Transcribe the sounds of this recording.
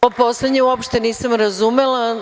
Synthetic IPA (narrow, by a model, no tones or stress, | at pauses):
oposled̪ɲeuopʃt̪eniːsamɾazumelˠa